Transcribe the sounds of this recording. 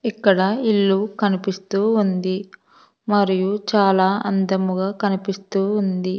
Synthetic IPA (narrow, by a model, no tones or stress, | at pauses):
ikːɐɽɐilːukɐnipist̪uːnd̪i | mɐɾijut͡ʃaːlaːɐ̰nd̪ɐmuɡaːkɐnipist̪uːnd̪i